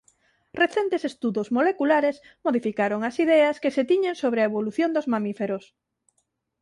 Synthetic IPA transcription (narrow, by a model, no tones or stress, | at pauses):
reθent̪esest̪uðozmolekulaɾes | moðifikaɾoŋɐsiðɛɐskeset̪iɲeŋsoβ̞ɾeɐeβoluθjond̪ʊzmamifeɾos